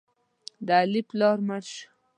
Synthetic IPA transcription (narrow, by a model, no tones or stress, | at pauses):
d̪əaliplɑɾmaɾʃ